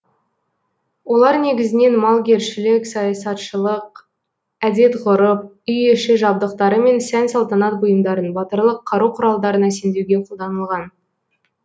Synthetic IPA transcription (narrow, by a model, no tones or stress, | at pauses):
wo̞lˠɑɾne̞ɡʲɪzɪne̞nmɑlˠɡʲe̞ɾʃɪlɪkʲsɑjɑsɑt̪ʃəlˠəq̚ | æd̪e̞t̪ʁʊɾəp̚ | ʏjeʃɪʒɑb̚d̪əq̚t̪ɑɾəme̞nsænsɑlˠt̪ɑnɑt̪̚bʊjəmd̪ɑɾənbɑt̪əɾlˠəqʰːɑɾuqʰʊɾɑlˠd̪ɑɾənæse̞nd̪ewɡʲe̞qʰolˠd̪ɑnəlˠʁɑn